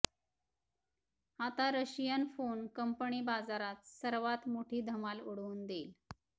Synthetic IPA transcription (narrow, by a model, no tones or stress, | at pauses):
hat̪aɾəɕijənfonkəmpəɳiːbad͡zaɾat̪səɾʋat̪moʈʰiːd̪ʱəmaluɽuːnd̪eːl